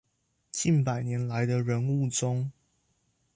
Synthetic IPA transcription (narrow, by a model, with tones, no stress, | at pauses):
t͡ɕi˥˩npa˨˩ɪnjɛ˨˧˥nla˧˦ɪd̪ə˧ɻə˧˥nu˥˨ʈ͡ʂʊ˥ŋ